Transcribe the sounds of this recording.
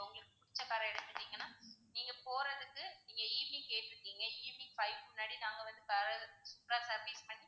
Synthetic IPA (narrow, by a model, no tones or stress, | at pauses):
ʊŋɡɐɭɯkːɯpːʊɽɪt͡ʃːɐkaːɾɐɛɽɯt̪ːɯnːiːŋɡɐnːaːniːŋɡɐpoːɾɐðɯkːɯniːŋɡɐiːʋnikeːʈːɯɾɯkːiːŋɡɐiːʋnifɐɪʋmʊnːaːɽinaːŋɡɐʋɐnd̪ɯkaɾɐɯsʊpːɾaːsɐɾʋiːspɐɳːi